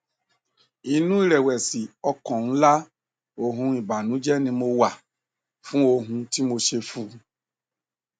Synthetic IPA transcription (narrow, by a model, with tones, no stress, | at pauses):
i˨nũ˦i˦˨ɾɛ˨wɛ˨si˨ɔ˧kɔ̃˨nũ˨˦la˦ | o˨ɦũ˧i˨ba˨nũ˨˦d͡ʒɛ˦nĩ˧mo˧wa˨ | fũ˦o˧ɦũ˧ti˦mo˧ʃe˧fu˦